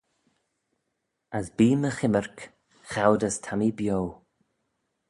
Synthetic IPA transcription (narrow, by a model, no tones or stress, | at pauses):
əsbiːməxɪməɹk | xawdəstʰamibjow